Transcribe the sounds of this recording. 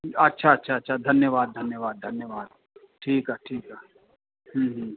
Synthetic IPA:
ɐtːʃʰaɐtːʃʰaɐtːʃʰad̪ʱɐnjəʋaːd̪̚d̪ʱɐnjəʋaːd̪d̪ʱɐnjəʋaːd̪̚ | ʈʰiːkɦaːʈʰiːkɦaː | hə̃ɦə̃

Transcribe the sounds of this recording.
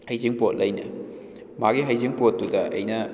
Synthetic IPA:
hajziŋpot̚lɐjnɐ | maɡiɦɐjziŋpot̚ːudɐʔɐjnɐ

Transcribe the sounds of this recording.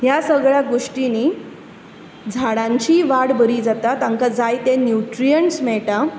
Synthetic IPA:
jasəɡɭjaɡoʂʈini | d͡zʱaɽãɲt͡ɕiːʋaɽbʱəɾiːd͡zat̪at̪ãŋkad͡zajt̪enjuʈɾijəɳʈsmɛɭʈa

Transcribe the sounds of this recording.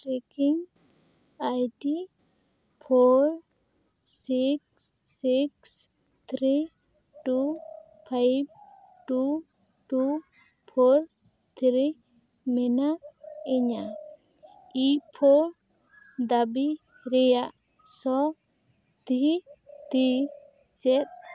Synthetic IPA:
ʈɾekiŋ | ajʈi | pʰoɾ | siksː | iks | t̪ʰɾi | ʈu | pʰajb̚ | ʈu | ʈu | pʰoɾ | t̪ʰɾi | mɛnaeɲa | ipʰoɾ | d̪abi | ɾɛjaʔ | sɔ | d̪it̪i | t͡ʃɛt̪̚

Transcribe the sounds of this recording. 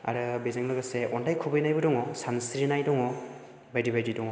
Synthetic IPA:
a̰ɾɯbezaŋlɔɡaseʔɔndajkʰɔbɯjnajbɯdɔŋɔsansɾinajdɔŋɔ | bajdibajdidɔŋɔ

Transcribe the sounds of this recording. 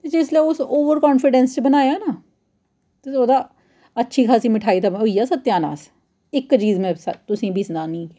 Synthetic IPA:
t̪eːd͡ʒɪsleʊsoːʋəɾkɔːnfɪɖɛ̃ːnst͡ʃebənaːjaːnaː | t̪eoːd̪aː | ətːʃʰiːkʰaːsĩːmɪʈʰaːiːt̪aɦoiːaːsət̪ːjaːna̰ːs | ɪkːt͡ʃiːzmẽːst̪ʊsĩːbɪsnaːnĩːkː

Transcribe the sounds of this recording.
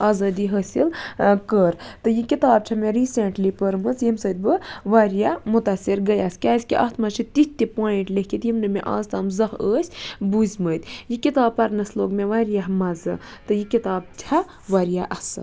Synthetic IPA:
aːzaːd̪iɦəːsilkəɾt̪ɨjikit̪aːb̚t͡ʃʰɐmeɾiːseɳʈlipəɾmɨt͡sjimsəːt̪̚ʲbɨʋaːɾjamut̪ɐsiɾɡɐjaskʲaːsʲkiʔɐt̪ʰmɐt͡ʃʰit̪it̪ːipoːiɳʈlekit̪jimnɨmeʔa̰ːzt̪aːmzɐɦəːsʲbuzmət̪ʲjikit̪aːb̚pɐɾnɐsloːɡmeʋaːɾjaɦmɐzɨ̰t̪ɨjikit̪aːb̚t͡ʃʰɐ | ʋaːɾjaʔɐsɐ̰

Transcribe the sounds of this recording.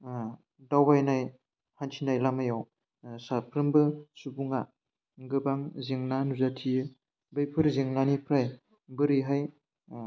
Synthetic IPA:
dawbajnaj | hantʰinajlamajaw | sapʰɾɯmbɯsubuŋa | ɡɯbaŋziŋnanuzatʰijɯ | bɯjpʰɯɾzeŋnanipʰɾaj | bɯɾiɦaj

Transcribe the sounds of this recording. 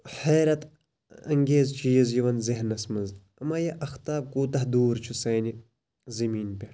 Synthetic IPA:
ħɐːɾɐt̪ | ɐ̰ŋɡeːzt͡ʃiːɐzjiʋɐnziɦnːɐsmɐnz | ɐmaːjɐʔɐxt̪aːb̚kuːt̪ɐɦd̪uːɾt͡ʃʰusɐːni | zɐmiːnpʲɐʈʰ

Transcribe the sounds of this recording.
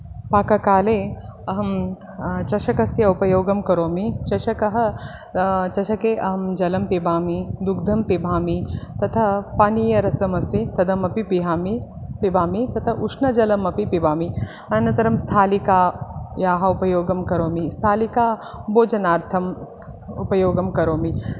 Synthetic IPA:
paːkɐkaːleːɐɦɐm | t͡ʃɐʃɐkɐsjɐupɐjoːɡɐmkɐɾoːmit͡ʃɐʃɐkɐɦɐ | t͡ʃɐʃɐkeːʔɐɦɐmd͡ʒɐlɐmpibʱaːmid̪ukd̪ʱɐmpibʱaːmit̪ɐt̪ʰɐpaːniːjɐɾɐsɐmɐst̪it̪ɐd̪ɐmɐpipiɦaːmipibʱaːmit̪ɐt̪ʰɐʔuʂnɐd͡ʒɐlɐmɐpipibʱaːmi | ɐnɐt̪ɐɾɐmst̪ʰaːlikaːjaːɦɐupɐjoːɡɐmkɐɾoːmist̪ʰaːlikaːboːd͡ʒɐnaːɾt̪ʰɐm | upɐjoːɡɐmkɐɾoːmi

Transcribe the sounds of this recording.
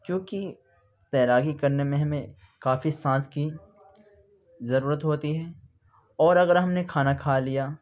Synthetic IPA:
kjõːki | t̪ɛːlaːɡikɐɾnemẽɦɐmẽ | kaːfisãːski | zɐɾuːɾət̪ɦoːt̪iɦɛː | ɔːɾɐɣəɾɦɐmnekʰaːnakʰaːlijaː

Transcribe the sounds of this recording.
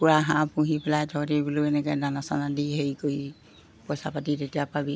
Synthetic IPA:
kuɹaɦãpũɦipɛlajtʰɔtibuluɛnɛkɔjnanasanadiɦejkoi | pɔjsapatitetijapabi

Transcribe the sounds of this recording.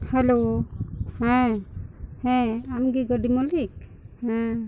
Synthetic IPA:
hɛlo | hɛ̃ | hɛ̃amɡiɡəɖimɔlik̚hɛ̃

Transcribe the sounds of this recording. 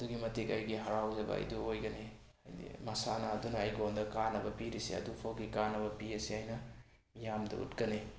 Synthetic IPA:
ɐduɡimɐtikɐjɡiɦɐɾawzɐbɐ̰ɐ̰jduojɡɐne | jḭmɐsanɐːdunɐːjɡondɐkanɐbɐpiɾisḭɐ̰dupʰɐwɡikanɐbɐpiɐsiajnɐ | mijamdɐ̰ʔṵtɡɐni

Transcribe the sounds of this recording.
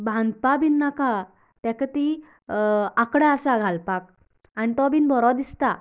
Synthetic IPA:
bʱãnd̪̚pabinːaka | t̪ɛkət̪i | akɽaəsaɡʱalpak̚ | añit̪ɔbinbʱɔɾɔd̪ist̪a

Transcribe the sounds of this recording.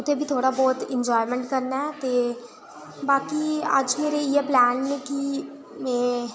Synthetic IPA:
ʊt̪ʰebʱit̪ʰoːɽabɔːt̪ɪ̃ɲd͡ʒɔːɪmɛ̃ɳʈ̚kɐɾnaɦɛt̪e | baːkiə̰d͡ʒmeːɾeieplɛːnmẽki | mɛ̃ː

